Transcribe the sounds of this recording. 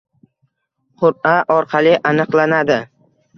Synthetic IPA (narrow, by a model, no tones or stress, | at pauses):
qʰʊɾaʔɒɾqʰɑlɪʔanɨqlˠanad̪ɪ